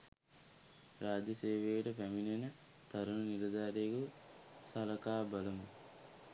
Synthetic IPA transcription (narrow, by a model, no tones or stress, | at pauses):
ɾaːd͡ʒɐseːʋeːʈɐpɐminenɐ | t̪ɐɾunɐniɾɐd̪aːɾeɡu | sɐlɐkaːbɐlɐmu